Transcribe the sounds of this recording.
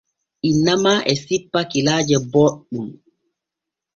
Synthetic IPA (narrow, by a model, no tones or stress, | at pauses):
ʔinːamaʔɛsipːakilaːd͡ʒɛbɔɗum